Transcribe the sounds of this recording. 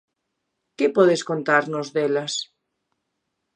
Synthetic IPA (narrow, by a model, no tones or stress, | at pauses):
kepɔðeskont̪aɾnozðelas